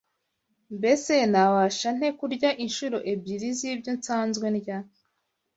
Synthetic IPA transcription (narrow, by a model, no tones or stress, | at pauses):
mbe̞senawaʃan̥e̞kuɾɟaʔinʃuɾoʔebɟiɾizibɟonsaːnzɡwe̞nɟa